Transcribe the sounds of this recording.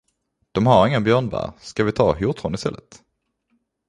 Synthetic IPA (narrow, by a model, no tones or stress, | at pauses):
d̪̥ɔmɦaɾɪŋːənbjœːɳvæ̰ːɾskavɪt̪ʰɑːhjʊt̪ʁɔnɪst̪ɛlːət̪